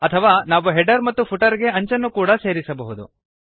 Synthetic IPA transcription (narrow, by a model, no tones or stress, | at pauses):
ɐt̪ʰɐʋaːnaːʋuɦɛɖɐɾmɐt̪ːupʰuʈɐɾɡe̞ɐɲt͡ʃɐnːukuːɽɐse̞ːɾisɐbɐɦud̪ṵ